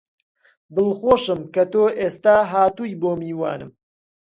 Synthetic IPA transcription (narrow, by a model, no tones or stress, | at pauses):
bɨlχoːʃɨmkɐt̪oːʔeːst̪aːɦaːt̪uːjboːmiːwa̰ːnɨm